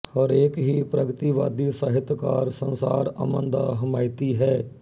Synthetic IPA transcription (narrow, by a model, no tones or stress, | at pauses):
həɾeːkɦiːpɾəɡt̪iːʋaːd̪iːsəɦɪt̪kaːɾsənsa̰ːɾə̰mənd̪aːɦəmaːɪt̪iːɦɛː